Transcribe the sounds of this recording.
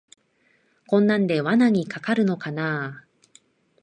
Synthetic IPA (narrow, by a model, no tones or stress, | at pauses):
kõ̞nːãnd̪e̞βanaɲ̟ikakaɾɯ̟no̞kanaː